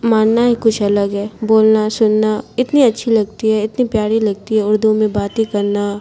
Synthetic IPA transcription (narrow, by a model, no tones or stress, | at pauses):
maːnnaɦikʊt͡ʃʰɐləɡɦɛːboːlnasʊnːaɪt̪niɐtːʃʰilɐɡ̚t̪iɦɛɪt̪nipjaːɽilɐɡ̚t̪iɦɛʊɾd̪umẽbaːt̪ikɐɾna